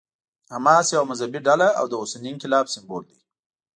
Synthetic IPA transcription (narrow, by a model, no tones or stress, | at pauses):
hamɑsjawamazabiɖalaa̰wd̪əʊseninkɪlɑbsɪmbold̪e